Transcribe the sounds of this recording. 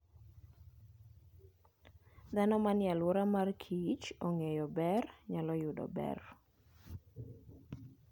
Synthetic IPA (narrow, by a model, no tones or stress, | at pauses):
d̪anɔmanjalwɔɾamarkʰit͡ʃoŋejɔbɛrɲalɔjʊdɔ̰bɛ̰r